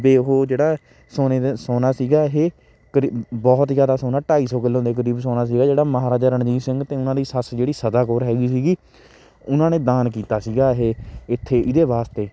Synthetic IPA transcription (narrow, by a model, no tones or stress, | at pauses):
beːɦoːd͡ʒeːɽaː | soːneːsoːnaːsiːɡaːɦeː | kəɾibɔːt̪zjaːd̪aːsoːnaːʈaːiːsɔːkɪlːõːd̪eːk̬əɾiːbsoːnaːs̬iːɡaːd͡ʒeːɽaːməɦaːɾaːd͡ʒaːɾəɳd͡ʒĩːsɪŋɡt̪eːʊnãːd̪iːsəsd͡ʒeːɽiːsəd̪aːkoːɾɦɛːɡiːs̬iːɡiː | ʊnãːneːd̪aːnkiːt̪aːsiːɡaːɦeːɪt̪ʰːeːʔɪd̪eːbaːst̪eː